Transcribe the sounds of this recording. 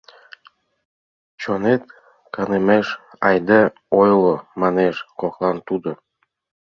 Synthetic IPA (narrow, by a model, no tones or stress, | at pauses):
t͡ɕonet̪̚ | kɑnemeʃ | ɑjd̪e | ojlomɑneʃkoklɑnt̪ud̪o